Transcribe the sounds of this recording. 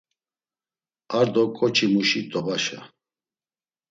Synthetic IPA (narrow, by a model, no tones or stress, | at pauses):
aɾd̪ɔkʼɔt͡ʃʰʼimuʃit̪ʼɔbaʃa̰